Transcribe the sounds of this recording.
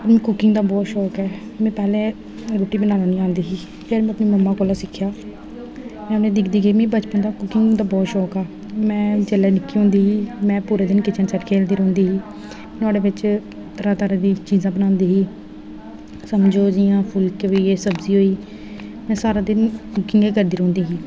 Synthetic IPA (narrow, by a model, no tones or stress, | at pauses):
pəɾmĩːkʊkɪŋɡd̪aːbɔːt̪ʃɔːkɛːmɛ̃ːpɛːlẽː | ɾoːʈiːbənaːnaːnĩːãːnd̪iːɦiː | pʰeːɾmɛ̃ːəpniːməmːãːkoːlãːsɪkʰːjaː | mɛ̃ːʊnẽːd̪ɪkʰd̪iːɡəiːmẽːbət͡ʃpə̃nd̪aːkʊkɪŋɡd̪aːbɔːt̪ʃɔːkaː | mɛ̃ːd͡ʒəlɛːnɪkːiːɦõːnd̪iːɦiːmɛ̃ːpuːɾeːd̪ɪnkɪt͡ʃənsəʈkʰeːld̪iːɾõːnd̪iːɦiː | naːɽeːʋɪt͡ʃ | t̪ʰəɾaːt̪aːɾaːd̪iːt͡ʃiːzãːbənãːnd̪iːɦiː | səmd͡ʒoːd͡ʒɪjãːpʰʊlkʋiːeːsəbziːɦoːiː | mɛ̃ːsaːɾaːd̪ɪnkʊkɪŋɡeːkəɾd̪iːɾõːnd̪iːɦiː